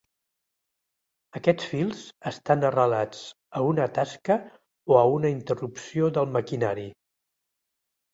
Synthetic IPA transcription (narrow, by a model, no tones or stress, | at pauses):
əkɛt͡sfilˠz̥əst̪anərəlat͡s | əunət̪askə | oəunəint̪ərupsioðəlˠməkinaɾi